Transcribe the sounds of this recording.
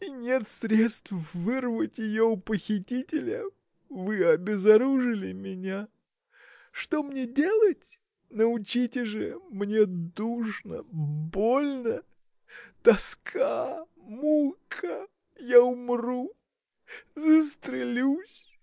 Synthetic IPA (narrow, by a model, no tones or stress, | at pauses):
inʲe̞t̪sɾʲe̞t̪st̪fvɨrvətʲjɪjoʊpəxʲɪtʲitʲɪlʲə | vɨɐbʲɪzɐɾuʐɨlʲɪmʲɪnʲa | ʂt̪o̞mnʲedʲe̞lˠətʲ | nəʊt͡ɕitʲɪʐɨmnʲe̞d̪uʐnə̰bo̞lʲnə | t̪ɐskʰa | mulˠkʰə | jaʊmru | zəst̪ɾʲɪlʲusʲ